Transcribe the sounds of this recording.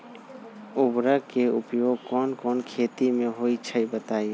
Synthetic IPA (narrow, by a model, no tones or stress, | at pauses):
ubɾəkeʊpjoːɡ̚kɔːnkɔːnkʰet̪imẽɦoit͡ʃʰəibət̪aːi